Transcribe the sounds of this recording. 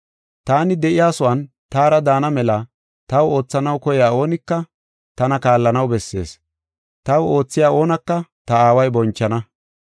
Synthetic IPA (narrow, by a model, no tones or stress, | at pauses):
t̪aːnɪd̪ɛʔɪjaːsɔwɐn | t̪aːɾɐd̪aːnɐmɛlɐ | t̪ɐwo̞ːt͡sːɐnɐwkɔjɪaːo̞ːnɪkːɐ | t̪ɐnɐkaːlːɐnɐwbɛsːe̞̰ːs | t̪ɐwo̞ːt͡sːɪjaːo̞ːnɐkːɐt̪ɐaːwɐjbɔnt͡ʃːɐnɐ